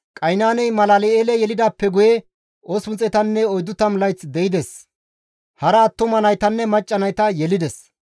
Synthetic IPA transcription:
kʼɐjnaːnɛjmɐlaːlɛeːlɛjɛlɪd̪aːpːɛɡʊjɛ | ʔosʊnt͡sʼɛt̪ɐnːɛɔjd̪ːʊt̪ɐmlɐjt͡sd̪ɛɪd̪ɛs | hɐɾɐːt̪ːʊmɐnɐjt̪ɐnːɛmɐt͡ʃʼːɐnɐjt̪ɐjɛlɪd̪ɛs

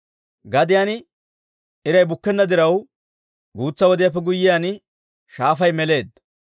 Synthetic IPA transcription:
ɡɐd̪ɪjaːnɪ | ɪɾɐjbʊkːɛnːɐd̪ɪɾɐw | ɡuːt͡sːɐwɔd̪ɪjɐp̬ːɛɡʊjːɪjan | ʃaːfɐjmɛle̞ːd̪

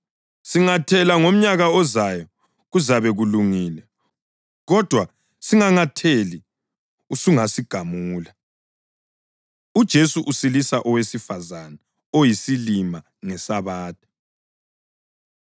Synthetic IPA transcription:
siŋatʰɛlaŋom̩ɲaɣaɔzajɔ | ɣuzaβɛɣuluŋiːlɛ | ɣɔd̥ʱwa | siŋaŋatʰeli | usuŋasiɡ̥ʱamuːla | ud̥ʒ̥ʱesuʔusilisaʔɔwesifazana | ojisilima | ŋɛsaβaːtʰʼɛ̥

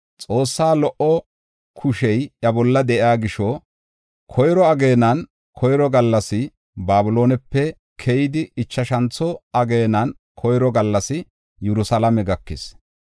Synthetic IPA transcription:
t͡sʼo̞ːsːaːlɔʔɔ | kʰʊʃɛjɐbɔlːɐd̪ɛʔɪaːɡɪʃɔ | kʰɔjɾɔɐɡe̞ːnɐn | kʰɔjɾɔɡɐlːɐsɪ | baːbʊlo̞ːnɛpːɛ | kʰɛjɪd̪ɪɪt͡ʃːɐʃɐnt͡sːɔɐɡe̞ːnɐn | kʰɔjɾɔɡɐlːɐsɪ | jɛɾʊsɐlɐmɛɡɐkːɪs

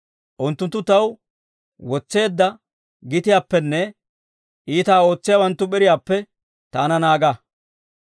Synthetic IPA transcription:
ʔʊnt̪ːʊnt̪ːʊt̪ɐw | wɔt͡sːe̞ːd̪ːɐ | ɡɪt̪ɪjaːpːɛnːɛ | ʔiːt̪aːo̞ːt͡sːɪjaːwɐnt̪ːʊɓɛɾɪjaːpːɛ | t̪aːnɐnaːɡa

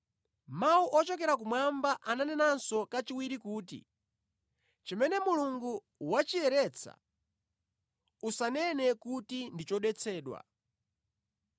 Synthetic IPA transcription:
mauʔɔt͡ʃɔkɛɾakumwambaʔananɛnansɔkat͡ʃiwiɾikuːtḭ | t͡ʃimɛnɛmuluŋɡu | wat͡ʃiɛɾɛt͡sʰa̰ | usanɛnɛkutindit͡ʃɔɗwɛt͡sʰɛːɗwa̰

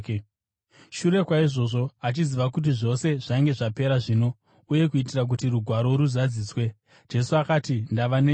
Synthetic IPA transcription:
k | ʃuɾe̞kwaiʐo̞ʐo̞at͡ʃiziʋakut̬iʐo̞se̞ʐ̥aiŋɡe̞ʐape̞ɾaʐiːno̞ | uje̞kuitirak̬utiruɡʱwaɾo̞ɾuzad͡ziːswe̞ | d͡ʒe̞suakaːtindaʋane

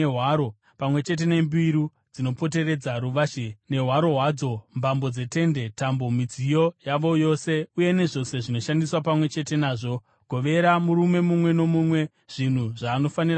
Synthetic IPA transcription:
ɦwaɾo | pamwe̞t͡ʃe̞t̬e̞ne̞mbiɾu | d͡zino̞po̞t̬e̞ɾe̞d͡zaɾuʋaʃene̞ɦwaɾo̞ɦwaːd͡zo̞mbambo̞d͡ze̞te̞nde̞tambo̞mid͡zijo̞jaʋo̞jo̞se̞uje̞ne̞ʐo̞se̞ʐino̞ʃandiswapamwe̞t͡ʃe̞te̞naːʐo̞ | ɡ̥ʱo̞ʋe̞ɾamuɾume̞mumwe̞no̞mumwe̞ | ʐ̥in̤uʐaːno̞fanir

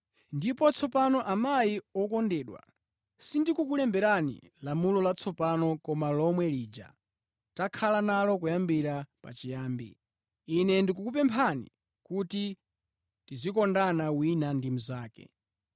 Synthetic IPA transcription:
ndipɔt͡sʰɔpanɔʔamajiɔkɔndɛːɗwa̰ | sindikukulɛmbɛɾanḭ | lamulɔlat͡sʰɔpanɔkɔmalɔmwɛliːd͡ʒa̰ | takʰalanalɔkujambiɾapa̰t͡ʃijaːmbḭː | nɛndik̬ukup̬ɛmpʰanḭ | kuti | tizikɔndanawinandimuzaːkɛ̰

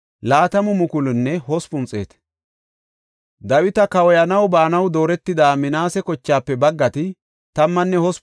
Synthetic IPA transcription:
laːt̪ɐmʊmʊkʊlʊnːɛhɔspʊnt͡sʼe̞̰ːt̪ | d̪ɐwɪt̪ɐkɐwɔjɐnɐwbaːnɐwd̪o̞ːɾɛt̪ːɪd̪aːmɪnaːsɛkɔt͡ʃːaːpːɛbɐɡːɐt̪ɪ | t̪ɐmːɐnːɛhɔs

